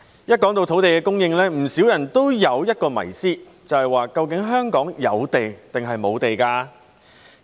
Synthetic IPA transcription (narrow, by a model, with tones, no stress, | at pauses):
jɐ˥t̚kɔː˨˥ŋt̪o˧wt̪ʰo˨˥wt̪e˨kɛː˧kʊ˥ŋjɪ˧ŋlɛː˥m̩˨˩siː˨˥wjɐ˨˩nt̪o˥wjɐ˨˧wjɐ˥t̚kɔː˧mɐ̰˨˩jsiː˥ | t͡sɐ˨˩whɐ˨jwaː˨˩kɐ˧wkɪ˨˥ŋɦœː˥ŋkɔː˨˥ŋjɐ˨˧wt̪e˨jt̪ɪ˨ŋɦɐ˨jmo˨˧wt̪e˨jkaː˧